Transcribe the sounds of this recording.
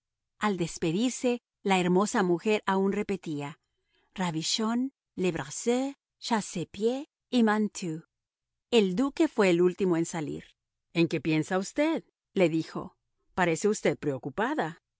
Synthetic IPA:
ald̪e̞spe̞ðiɾse̞ | laeɾmo̞samuxe̞ɾaunre̞pe̞t̪ia | raβiʃo̞n | leβɾase | ʃasepje | imant̪ʰu | e̞ld̪uke̞fwe̞ːlult̪imoe̞nsalḭɾ | e̞ŋke̞pje̞nsaust̪e̞ð | le̞ðixo̞̰ | paɾe̞se̞ust̪e̞ð̚pɾeokupaða

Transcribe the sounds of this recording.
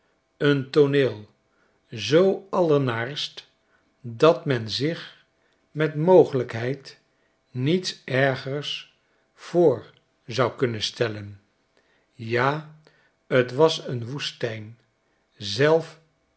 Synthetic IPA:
əntoneːlˠ | zowɑləɹnaːɹst | dɑtmɛnzɪχ | mɛtmowχələkɦɛjt | nitsʔɛɹχəɹs | fʊːɹ | zɑwkɵnənstɛlən | jaː | ətʋɑsənʋustɛjn | zɛlˠf

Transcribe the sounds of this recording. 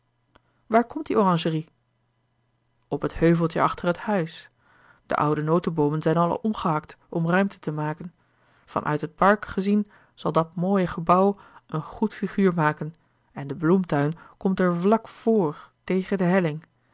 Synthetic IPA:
ʋaːɹkɔmt̚diʔorɑ̃ŋʒəri | ɔpəthøɥvəlˠtəɑχtərɦəthœɥs | d̥ə̰ʔʌ̰wdənowtəbowmənzɛjnɑlˠʔɔmχəɦɑktʔɔmrœɥmtə̥təmaːkən | v̥ɑ̰nʔœ̰ɥtɦət̚pɑɹkχəzin | z̥ɑlˠdɑt̚moːjəχəbɑwənχutfiχyːɹmaːkən | ɛndəblumtœɥnkɔmtɛɹvlɑkfoːɹtejχəndəɦɛlɪŋ

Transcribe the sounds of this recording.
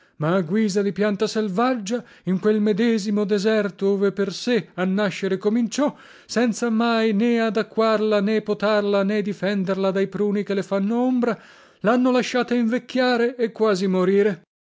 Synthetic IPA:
maːɡwiːzad̪ipjant̪aselvad͡ʒːa | iŋkwelmed̪ɛːzimod̪ɛzɛrt̪odoːveperseanːaʃːeɾekomint͡ʃɔ | sɛnt̪samajnead̪akːwarlanepot̪arlaned̪ifɛnd̪erlad̪ajpɾuːnikelefanːoombɾa | lanːolaʃːaːt̪aiɱvekːjaːɾeːkːwaːzimoɾiːɾe

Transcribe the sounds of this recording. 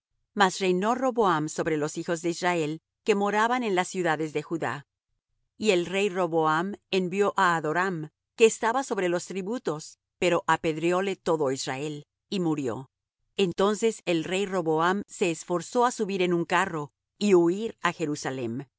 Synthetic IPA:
masre̞jno̞ro̞βoamso̞βɾe̞lo̞sixo̞zðe̞izrae̞l | ke̞mo̞ɾaβane̞nlasːjuðaðe̞zðe̞xuða̰ | ie̞lre̞jro̞βoame̞mbjo̞ʔaːðo̞ɾam | ke̞ːst̪aβaso̞βɾe̞lo̞st̪ɾiβut̪o̞s | pe̞ɾo̞ʔape̞ðɾjole̞t̪o̞ðo̞izrae̞l | imuɾjo̞̰ | e̞nt̪o̞nse̞se̞lre̞jro̞βoamse̞ːsfo̞ɾso̞asuβiɾe̞nuŋkaro̞ | iuiɾaxe̞ɾusale̞̰m

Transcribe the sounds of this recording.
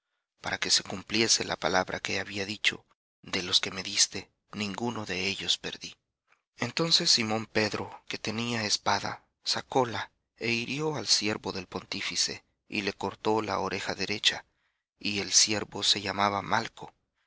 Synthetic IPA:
paɾake̞se̞kumplje̞se̞lʔa̰palaβɾʔa̰ke̞aβiaðit͡ʃo̞̰ | ðe̞lo̞ske̞me̞ðist̪e̞ | nĩŋɡuno̞ðe̞e̞ʎo̞spe̞ɾði | e̞nt̪o̞nse̞sːimõ̞mpe̞ðɾo̞ke̞t̪e̞niaespaða̰ | sako̞la | e̞iɾjo̞alsje̞ɾβo̞ðe̞lpo̞nt̪ifise̞̰ | ḭle̞ko̞ɾt̪o̞la̰oɾʔe̞xaðe̞ɾe̞t͡ʃa | ie̞lsje̞ɾβo̞se̞ʝamaβamalkʰo̞

